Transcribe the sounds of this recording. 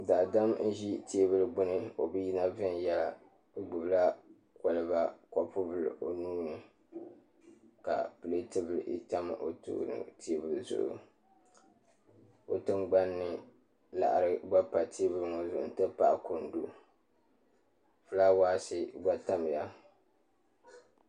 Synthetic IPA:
da˨da˦mn̩˦ʒi˦tʰe˦bɨ˦lɨ˦ɡ͡bʊ˦nɨ˦o˨bɨ˦ji˦na˦vɨ˦n˨jɛ˦la˨˦ | ɡ͡bɨ˨bla˦ | kɔ˨lɨ˨ba˦kɔ˨pʊ˦bɨ˦lʔo˨nuː˦nɨ˨ | ka̰˨pɨ˨le˦tɨ˦bɨ˨lʔḭ˦ta˦m˨ʔo˨tṵː˦nɨ̰˨tʰe˦bɨ˨lɨ˨zʊ̰˨ʔʊ̰˨ | o˨tɨ˦ŋɡ͡ba˦nːɨ˨ | la̰˨ʔa˨ɾɨ˦ɡ͡ba˦pa˨tʰi˦e˦bɨ˦lɨ˦ŋo˨zʊ˨ʔʊ̰˨n̩˦tɨ˦pa˨ʔko˨n˨du˦ | fɨ˦la˦waː˦sɨ˦ɡ͡ba˦ta˦m˨ja˦

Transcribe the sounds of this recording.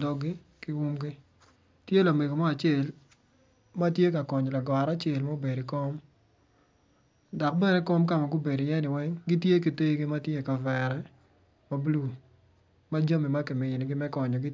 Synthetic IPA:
dɔ˦ɡɪ˦ | ki˦wu˦mɡɪ˦ | tje˦la˨me˨ɡo˨ma˦a˨t͡ʃe˦˨l | ma˦tje˦ka˨kɔ˨ɲɔ˨la˨ɡɔ˨ɾa˦t͡ʃe˨lmo˦be˨di˨kɔ˦m | dɔ˨k̚bɛ˦ne˦ko˦mka˨ma˨ɡu˦be˨dɪ˨jɛ˦nɪ˨wɛ˦ŋɡi˦tje˦ki˨te˦ɡi˦ma˦tje˦˨ka˨vɛ˨ɾɛ˦ | ma˦blu˦˨ | ma˦d͡ʒo˦mi˨ma˦ki˨mɪ˨ɲo˨nɪ˨ɡɪ˦mɛ˦kɔ˨ɲɔ˨ɡɪ˦

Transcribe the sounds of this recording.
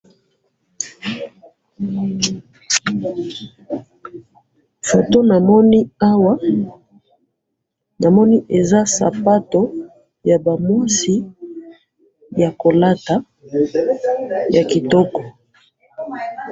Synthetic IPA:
fo˨to˦na˨mɔ˦ni˦a˦wa˦ | na˨mɔ˦ni˦ʔe˨za˦sa̰˨pa˦to˨˦ | ja˨ba˨ma˦si˦ | ja˨ko˨la˦ta˨ | ja˨ki˨tɔ˦kɔ˨

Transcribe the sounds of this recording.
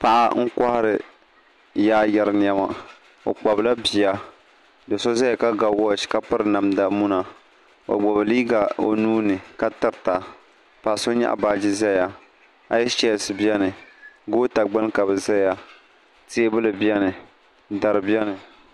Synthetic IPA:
pa˨ʔa̰˦ŋ̩˦ka˦hɾɨ˨ | jaː˦ja˨ɾɨ˨n˨a˦ma˨ | o̰˨k͡pa˨bla˦bi˨a˦ | dɨ˨so˦za˦ja˨ka˦ɡa˨wɔ˦˨ʃka˦pɨ˦ɾɨ˨na˨mda˨mu˦na˨ | o̰˨ɡ͡bɔ˨βɨ˨liː˦ɡa˨o̰˨nuː˦nɨ˨ka˦tɨ˨ɾta˨ | pa˨so˦ɲa̰˦ʔa̰˨baː˦˨d͡ʒi˦za˦ja˨ | a˦jɛ˦t͡ʃɛ˦˨sɨ˨bi˦ɛ˦nɨ˨ɡo˦ta˨ɡ͡ba˦n˦ka˨bɛ˨za˦ja˨ | te˦bɨ˦lɨ˨bi˦ɛ˦nɨ˨ | da˨ɾɨ˨bi˦ɛ˦nɨ˨

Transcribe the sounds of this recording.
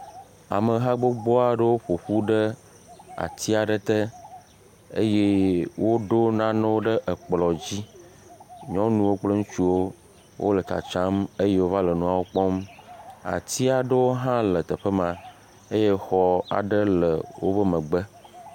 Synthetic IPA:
a̰˨mə˨ɦa˦ɡ͡bo˦ɡ͡bɔ˦a˨ɖə˦wo˦ɸo˨ɸu˦ɖə˦ | a̰˨t̪ʰi˦a˨ɖə˦t̪ə˦ | e˦je˦wo˦ɖo˦nã˦nɛ̃˦wo˦ɖə˦ʔə˨k͡plɔ˨d͡ʑi˦ | ɲɔ̃˦nũ˦wo˦k͡ple˦ŋũ˦t͡ʃu˦wo˦ | wʔo̰˦lə˨ta̰˨t͡ʃã˦me˦je˦wo˦va˦lə˨nũ˨a˨wo˦k͡pɔ˦m | a̰˨t̪i˦a˨ɖə˦wo˦ɦã˦lə˨t̪ə˨ɸə˦mã˨ | e˦je˦xɔ˦a̰˨ɖə˦lə˨wʔo̰˦bə˦mə̃˨ɡ͡bə˦

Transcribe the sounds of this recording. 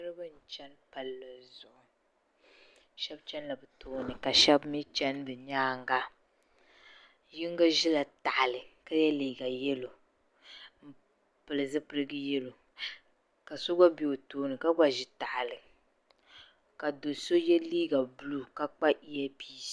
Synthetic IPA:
ɨ˦ɾɨ˦ba˦n̩˨t͡ʃɛ˦npa˨lːa˨zʊ˨ʔʊ˨ | ʃɛ˦bt͡ʃɛ˦nla˨bɨ˨toː˦nɨ˨ka˨ʃɛ˦bmi˦t͡ʃɛ˦nbɛ˨ɲaː˦ŋɡa˦ | ji˦ŋ˦ɡa˦ʒi˦la˨ta˨ʔa˨lɨ˨ka˦jɛ˦liː˨ɡa˨jɛ˦lo˨ | m̩˦ | pɨ˨lɨ˨zɨ˦pɨ˦ɾɨ˦ɡɨ˦jɛ˦lo˨ | ka˨so˦ɡa˦bi˨o˨toː˦nɨ˨ka˦ɡa˨ʒi˨ta˨ʔa˨lɨ˨ | ka˨do˨so˦jɛ˦liː˦ɡa˨bʊ˦lu˦ka˦k͡pa˦ʔi˦jɛ˦piː˦˨

